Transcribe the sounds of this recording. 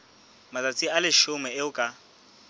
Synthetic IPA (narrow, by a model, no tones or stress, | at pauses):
mat͡sʼat͡sʼialɪʃʊmɛɪʊkʼa